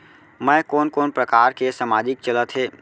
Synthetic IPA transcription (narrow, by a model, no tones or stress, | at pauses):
mɛ̃ːkoːnkoːnpɾəkaːɾkesəmaːd͡ʒɪk̚t͡ʃələt̪ɦeː